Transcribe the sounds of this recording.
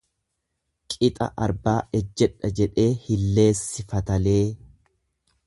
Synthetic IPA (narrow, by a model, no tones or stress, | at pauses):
kʼɪt̪ʼɐ̰ʔɐɾbaːʔɛd͡ʒːɛᶑɐd͡ʒɛᶑe̞ːhɪlːe̞ːsːɪfɐt̪ɐle̞ː